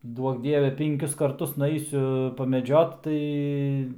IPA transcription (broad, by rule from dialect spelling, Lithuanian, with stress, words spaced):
ˈduɔk ˈdʲiɛʋʲɛ pʲɪŋʲˈkʲʊs kɐrˈtʊs nʊˈɛɪsʲʊ pɐmʲɛˈd͡ʒʲoːt ˈtɐɪ